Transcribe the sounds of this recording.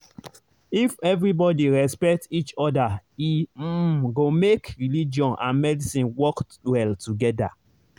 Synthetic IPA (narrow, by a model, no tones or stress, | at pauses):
ifɛvɹibɔdiɹɛspɛk̚tit͡ʃɔdaim̩ɡomekɹilid͡ʒɔ̃nʔã̰nmɛdisĩnwɔk | wɛltuɡɛda̰